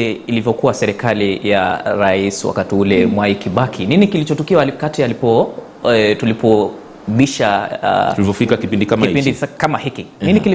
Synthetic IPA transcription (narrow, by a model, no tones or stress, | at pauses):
ɛilivjɔkuwasɛɾɛkalija̰ɾaiswa̰katiulɛmwaikiɓakʰininikilit͡ʃɔtukiwakatialipɔ | tulipɔ | ɓiʃa̰ulivɔfikakipindikamaiipindikamahikininikili